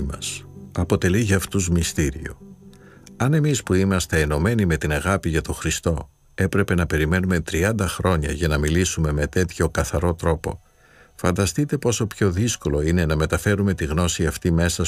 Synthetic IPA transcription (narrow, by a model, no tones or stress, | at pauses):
mɐsɐpo̞t̪e̞liʝɐɐft̪uzmist̪iɾḭo̞̰ | ɐne̞mispuimɐst̪e̞ːno̞me̞nime̞t̪inɐɣɐpiʝɐt̪o̞xɾist̪o̞ | e̞pɾe̞pe̞nɐpe̞ɾime̞nume̞t̪ɾiɐnd̪ɐxɾo̞ɲɐ̰ʝɐnɐmilisume̞me̞t̪e̞t̪ço̞kɐθɐɾo̞t̪ɾo̞po̞̰ | fɐnd̪ɐst̪it̪e̞po̞so̞pço̞ðisko̞lo̞ine̞nɐme̞t̪ɐfe̞ɾume̞t̪iɣno̞siɐft̪ime̞sɐ